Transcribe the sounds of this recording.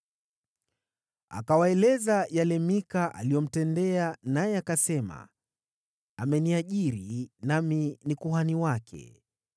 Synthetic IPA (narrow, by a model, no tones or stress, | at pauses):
a̰kawaɛlɛzajalɛmikaʔa̰lijɔm̩tɛndɛanajɛakasɛma̰ | amɛniaʄiɾinaminikuɦaniwakʰɛ̰